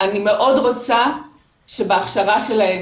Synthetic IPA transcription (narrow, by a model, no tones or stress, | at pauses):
anime̞ʔo̞dʁo̞t͡sa | ʃe̞beaχʃaʁaʃe̞lae